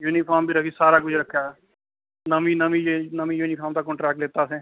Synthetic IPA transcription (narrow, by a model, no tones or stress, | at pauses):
juːniːpʰaːmbʱiːɾəkʰiːsaːɾaːkʊd͡ʒʱɾəkʰːjaː | nəmĩːnəmĩːjnəmiːjuːniːpʰaːmd̪aːkɔ̃ːɳʈɾɛːk̚ʈleːt̪aːsẽː